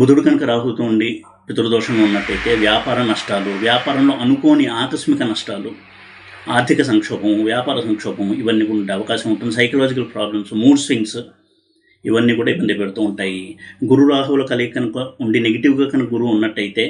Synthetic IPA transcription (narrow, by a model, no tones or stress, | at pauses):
bud̪ʱuɽukɐnɐkɐɾaːɦut̪uːɳɖi | pit̪uɾud̪ɔːʂɐŋɡːunːɐʈːɐjt̪e̞ːʋjaːpaːɾɐnɐʂʈaːluʋjaːpaːɾɐmlo̞ːʔɐnuko̞ːniaːkɐʃmikɐnɐʂʈaːlu | aːɾd̪ʱikɐs̬ɐŋkʂɔːbɐmʋjaːpaːɾɐsɐŋkʂɔːpɐmiʋɐnːiːkuɖiɐʋɐkaːʃɐmuɳʈund̪isɐjkɐlaːd͡ʒikɐlpɾaːblɐmsmuːɖsʋiŋɡs | iʋɐnːiːkuːɽaːibːɐnd̪ipeɽut̪uːuɳʈaːjiɡuɾuɾaːɦɐʋɐlɐːkɐlikɐnɐkɐuɳɖineɡɐʈiʋɡaːkɐnɐɐɡuɾuːnːɐʈːɐjit̪e̞ː